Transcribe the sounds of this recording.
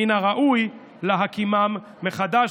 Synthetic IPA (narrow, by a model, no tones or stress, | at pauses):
inaʁaʔuj | leɦakimamː | eχad̪a